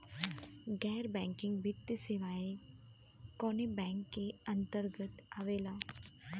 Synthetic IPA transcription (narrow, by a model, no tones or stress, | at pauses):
ɡɛːɾbɛ̃ŋkɪ̃ŋɡʋɪt̪ːəseʋae | kɔnebɛ̃ŋkːeənt̪əɾɡət̪aʋelaː